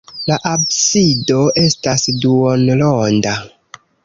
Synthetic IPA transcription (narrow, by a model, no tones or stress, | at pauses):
laʔabsido̞ʔe̞stasduonlonda